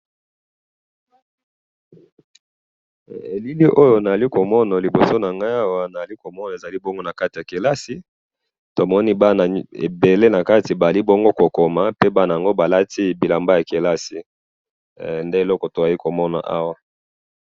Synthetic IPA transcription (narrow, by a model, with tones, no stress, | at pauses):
e˨li˦li˦ʔo˦jo˦na˨za˨li˦ko˨mɔ˦na˨li˨bo˨so˦na˨ŋɡa˦ja˦wa˦na˨a˨li˦ko˨mɔ˦na˨e˨za˨li˦bɔ˦ŋɡo˦na˨ka˦ti˨ja˨ke˨la˦si˦ | to˨mɔ˦ni˦ba˦na˨ḛ˨be˨le˦na˨ka˦ti˨ba˨za˨li˦bɔ˦ŋɡo˦ko˨ko˨ma˨pe˦ba˦na˨ja˨ŋɡo˦ba˨la˦ti˦bi˨la˨mba˦ja˨ke˨la˦si˨ | nde˦e˨lɔ˦kɔ˨to˨za˨˦i˦ko˨mɔ˦na̰˨ʔa˦wa˦